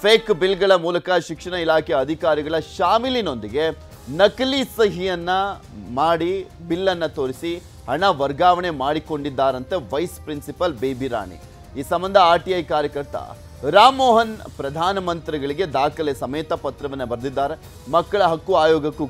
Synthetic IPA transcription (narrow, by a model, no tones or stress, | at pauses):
pʰeːkbilɡɐɭɐmuːlɐkɐʃikʂɐɳɐilaːkʰɛjɐɐd̪ʱikaːɾiɡɐɭɐʃaːmilino̞nd̪iɡe̞ | nɐkɐlisɐɦijɐnːɐ | maːɽibilːɐnːɐt̪o̞ːɾisi | ɦɐɳɐʋɐɾɡaːʋɐɳe̞maːɽiko̞ɳɖid̪ːaːɾɐnt̪eʋɐjspɾinsipɐlbeːbiɾa̰ːɳḭ | iːsɐmbɐnd̪ʱɐaːɾʈiɐjkaːɾjɐkɐɾt̪ɐ̰ | ɾaːmːoːɦɐnpɾɐd̪ʱaːnɐmɐnt̪ɾiɡɐɭiɡe̞d̪aːkɐlesɐmeːt̪ɐpɐt̪ɾɐʋɐnːɐbɐɾd̪id̪ːaːɾe | mɐkːɐɭɐɦɐkːuaːjɔːɡɐkːu